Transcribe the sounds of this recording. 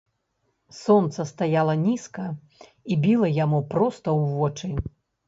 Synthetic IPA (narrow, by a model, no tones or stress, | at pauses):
sɔnt̪sɐst̪ajalˠɐnʲiskɐ | ibʲilˠɐjamupɾɔst̪ɐwvɔt͡ʂɨ